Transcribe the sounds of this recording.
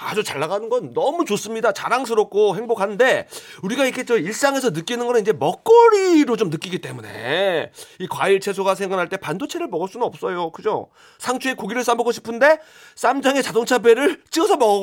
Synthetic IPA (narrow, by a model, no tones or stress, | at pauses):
ad͡ʑot͡ɕaɭːaɡanɯnɡʌnːʌmut͡ɕos͈ɯmɲidat͡ɕaɾaŋs̬ʰɯɾʌp̚k͈ʰoɦe̞ŋbokʰanɯnde̞uɾiɡaikʰe̞t͡ɕʌiɭs͈aŋe̞s̬ʰʌnɯk͈inɯnɡʌnɯnid͡ʑe̞mʌk̚k͈ʌɾiɾot͡ɕomnɯk͈iɡit͈e̞mune̞̰ | ikwa̰iɭt͡ɕʰe̞sʰoɡasʰeŋɡanɦaɭt͈e̞pandot͡ɕʰe̞ɾɯɭmʌɡʌɭs͈unɯnʌp̚s͈ʌjokɯd͡ʑo̰ | sʰaŋt͡ɕʰuekoɡiɾɯɭs͈ambʌɡoɕʰi̥pʰɯnde̞ | s͈amd͡ʑaŋe̞t͡ɕadoŋt͡ɕʰabe̞ɾɯɭt͡ɕ͈iʌsʰʌmʌɡʌ